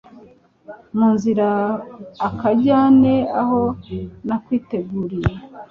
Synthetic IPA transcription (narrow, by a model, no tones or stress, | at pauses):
muːnziɾaː | kaɟaːne̞ahonakwiːte̞ɡuːɾija